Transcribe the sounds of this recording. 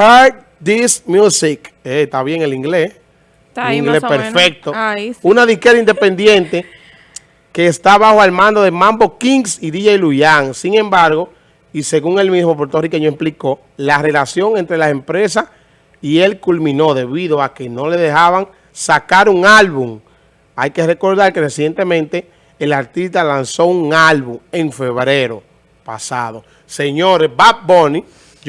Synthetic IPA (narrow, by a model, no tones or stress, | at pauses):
hat̚ | d̪ismjusiket̪aβje̞ŋeliŋɡles | uniŋɡlespeɾfek̚t̪ounaðihkeɾaind̪e̞pe̞nd̪je̞nt̪e̞ | ke̞ːst̪aβahoelmãnd̪o̞ðemãmbo̞kiŋɡsiðiʝailujaŋsiŋẽ̞mbaɾɣo̞ | ise̞ɣuŋe̞lmismop̬o̞ɾt̪o̞rike̞ɲoespliko̞ | lare̞lasjo̞ŋe̞nt̪ɾe̞lase̞mpɾe̞s̬as | ie̞lkulmĩno̞ðe̞βiðo̞ake̞no̞le̞ðe̞haβaŋ | sakaɾuŋalβuŋ | ajke̞re̞ko̞ɾðaɾkeresje̞nt̪e̞mẽnt̪e̞ː | laɾt̪ist̪alanso̞uŋalβuŋe̞ŋfe̞βɾe̞ɾo̞ | pasaðo̞ | se̞ɲoɾesbap̚boni